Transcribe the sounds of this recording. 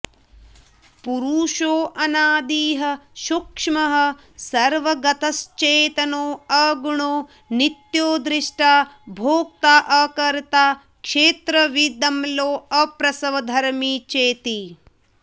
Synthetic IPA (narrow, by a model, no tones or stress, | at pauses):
puɾuːʃoːʔɐnaːd̪iːɦɐ̆ʃukʂmɐɦɐ̆ | sɐɾʋɐɡɐt̪ɐst͡ʃeːt̪ɐnoːɐɡuɳoː | nit̪joːd̪ɾiʂʈaːbʱoːk̚t̪aːʔɐkɐɾt̪aː | kʃeːt̪ɾɐʋid̪ɐmloːɐpɾɐsɐʋɐd̪ʱɐɾmiːt͡ʃeːt̪i